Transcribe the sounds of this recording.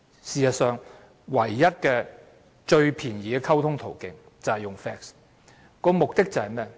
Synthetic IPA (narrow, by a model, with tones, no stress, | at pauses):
siː˨jɐ˨t̚sœː˨ŋ | wɐ˨˩jːɐ˥t̚kɛː˧ | t͡ʃɵ˧ɥpʰiː˨˩njiː˨˧kʰɐ˥wt̪ʰʊ˥ŋt̪ʰo˨˩wkɪ˨ŋ | t͡sɐ˨whɐ˨jʊ˨ŋfɛː˥ks | kɔː˧mʊ˨k̚t̪ɪ˥k̚t͡sɐ˨hɐ˨jmɛː˥˩